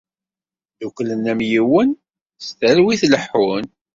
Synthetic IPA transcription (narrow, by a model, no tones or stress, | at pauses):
ðukʷlənæmjiwən | st̪ælwiθləħːʊn